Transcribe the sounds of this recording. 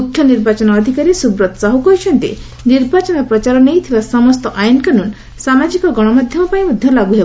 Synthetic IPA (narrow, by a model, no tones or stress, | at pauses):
mukʰjɔniɾbat͡ʃɔnɔːd̪ʱikaɾisubɾɔt̪saɦukɔjt͡ʃʰɔnt̪ḛ | niɾbat͡ʃɔnɔpɾɔt͡ʃaɾɔnejt̪ʰibasɔmɔst̪ɔʔajnkanun | samad͡ʒikɔɡɔɽ̃ɔmad̪ʱjɔmɔpaĩmɔd̪ʱjɔlaɡuɦeba